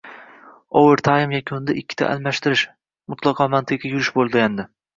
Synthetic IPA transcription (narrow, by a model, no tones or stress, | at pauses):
owɪɾt̪ʰaɪmjakʲʰʊnd̪aʔɪkʲːɪ̥t̪ʰa̰ʔa̰lmaʃt̪ɪɾɪʃ | mʊt̪ʰlˠɑqʰɒmant̪ʰɪkʲajʊɾɪʃbolˠd̪ɪɡʲand̪ɪ